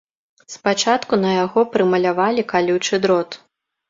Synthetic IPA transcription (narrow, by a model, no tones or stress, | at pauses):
spat͡ʂat̪kunɐjaɣɔpɾɨmɐlʲavalʲikalʲuwt͡ʂɨd̪ɾɔt̪